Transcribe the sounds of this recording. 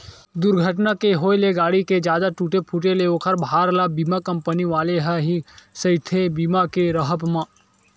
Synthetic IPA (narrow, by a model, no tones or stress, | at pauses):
d̪ʊɾɡʱəʈnakeɦoːeleɡaːɽiked͡ʒjaːd̪aʈuːʈepʰuʈeleoːkʰəɾbɦaːɾlabiːmakɐ̃mpəniʋaːleɦɛɦisəɪt̪ʰebiːmakeɾəɦəpmãː